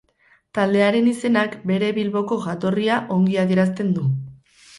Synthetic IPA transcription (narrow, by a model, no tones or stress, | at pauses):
t̪ald̪e̞aɾe̞nise̞nakbe̞ɾe̞βilβo̞ko̞ɣat̪o̞riaʔo̞ŋɡiaðie̞ɾast̪e̞nd̪u